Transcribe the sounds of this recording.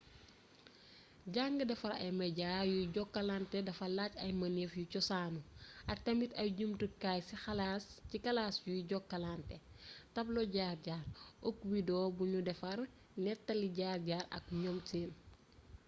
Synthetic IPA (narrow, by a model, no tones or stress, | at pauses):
ɟaŋɡədɛfɐɾɐjmɐɟaːjuɟɔkːɐlantɛdɐfɐlaːcɐjmɐnefjucɔsaːnuʔɐk̚tɐmitɐjɟumtukaːjsixɐlaːscikɐlaːsjuɟɔkːɐlantɛ | tɐblɔɟaːrɟaːrɔkwidɔːbuɲudɛfɐɾ | nɛtːɐliɟaːrɟaːɾɐ̰k̚ɲɔmteːn